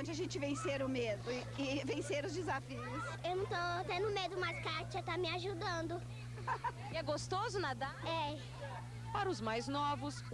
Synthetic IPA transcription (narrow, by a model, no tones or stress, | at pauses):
d͡ʒɪaʒẽnt͡ʃɪvẽseɾʊmed̪ʊ | ɪvẽseɾʊzd͡ʒɪzafiʊsewnɐ̃w̃t̪ot̪ẽnd̪ʊmejʊd̪ʊmaskat͡ʃɐt̪amɪaʒud̪ɐ̃d̪ʊ | ɪɛɡost̪ozʊnad̪aɛ | paɾɐʊzmajznɔvʊs